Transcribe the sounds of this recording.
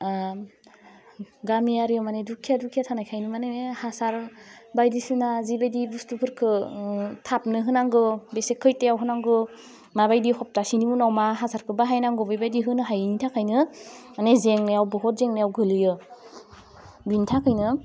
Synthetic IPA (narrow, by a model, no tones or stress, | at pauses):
ɡamijaɾijɔmanedukʰijadukʰijatʰanajkʰajnɯmanehasaɾbajdisɯnazibajdibustupʰɯɾkʰɯtʰap̚nɯɦɯnaŋɡɯbesekʰːɯjtejawɦɯnaŋɡɯ | mabajdihɔp̚tasinimunawmaɦasaɾkʰɯbaɦajnaŋɡɔbɯjbajdiɦɯnɯɦajnitʰakʰajnɯmanezeŋnajawbɔɦɔt̚zeŋnajawɡʱɯlɯjɯ | binitʰakʰɯjnɯ